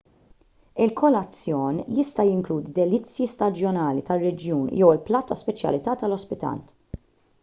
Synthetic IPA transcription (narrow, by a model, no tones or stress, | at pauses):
ɪlkʰɔlɐt͡sːjɔːnjɪst̪ɐjɪŋkluːd̪d̪ɛlɪt͡sːjist̪ɐd͡ʒjɔnɐːlit̪ɐrːɛd͡ʒjuːnjɛwɪlplɐːt̪ɐspɛt͡ʃjɐ̰lɪt̪ɐːt̪ɐlɔspɪt̪ɐ̰nt̪